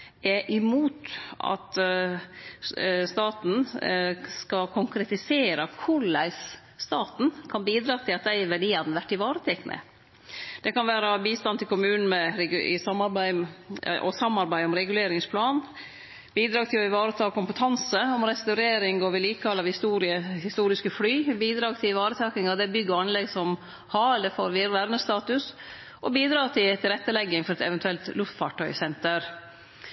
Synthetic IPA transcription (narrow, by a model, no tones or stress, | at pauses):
ɛʔɪmuːt̪ɑ̰t̪ | st̪ɑːt̪n̩ | skɑkʰʊŋkɾɛt̪ɪseːɾəkʰʊɭæɪs | st̪ɑːt̪n̩kʰɑnbiːd̪ɾɑːt̪ʰɪlɑt̪̚d̪æɪʋæɖiːɑd̪n̩ʋæʈːɪʋɑːɾət̪ʰɛkːnʔə̰ | d̪̥ɛkɑnʋæːɾɑbiːst̪ɑnt̪ʰɪlkʊmʉːnn̩mɛɾɛɡɪ̰sɑmːɑɾbæɪmʔɔ̰sɑmːɑɾbæɪɔmɾɛɡʉleːɾɪŋspʰlɑːn | biːd̪ɾɑːɡt̪ʰɪlɔɪʋɑːɾət̪ʰɑːkʰʊmpət̪ʰɑnsəɔmɾɛst̪ɑʉɾeːɾɪŋɡɔʋɪliːkʰɑlɑʋhɪst̪uːɾɪəhɪst̪uːɾɪskəflyːbiːd̪ɾɑːɡt̪ʰɪlɪʋɑːɾət̪ʰɑːknɪŋɑʋd̪ɛbʏɡːəɾɑnlɛɡsɔm | hɑɾɛld̪əfoːɾʋɪɾʋæɾmnəst̪ɑːt̪ʉs | ʔɔbiːd̪ɾɑːt̪ʰɪt̪ʰɪlɾɛt̪ːəlɛɡːəŋfɔɾɛt̪ɛ̰ʋɛnt̪ʰʉɛlt̪lʉft̪fɑʈʰːœʏsɛnt̪əɾ